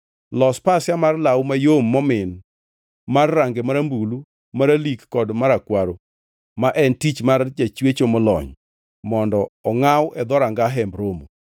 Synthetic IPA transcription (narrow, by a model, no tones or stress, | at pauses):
lɔspasjamarlawmajomːɔmɪn | marːaŋɡemaɾambulu | maɾalikːɔdmaɾakwaɾo | maʔɛntit͡ʃmard͡ʒat͡ʃwet͡ʃomɔlɔ̰ɲ | mɔndɔɔŋawʔɛd̪ɔɾaŋɡaɦɛmbɾomo̰